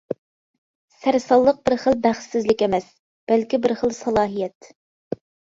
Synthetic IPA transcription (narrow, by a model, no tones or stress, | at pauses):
sæɾsɑlˠːəq̚bɪɾχəlbæχsːɪzlɪkʲɛmɛs | b̥ælkʲibɪɾχəlˠsɑlˠɑːɦijɛt̪